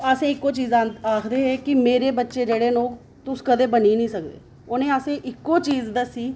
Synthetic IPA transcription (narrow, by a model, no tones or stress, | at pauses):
əsẽːɪkːoːt͡ʃiːzaaːkʰd̪eːɦɛːkɪmeːɾeːbətːʃeːd͡ʒeːɽeːnoː | t̪ʊskəd̪eːbəniːnĩːsək̚d̪ḛː | onẽːəsẽːʔɪkːoːt͡ʃiːzd̪əsiː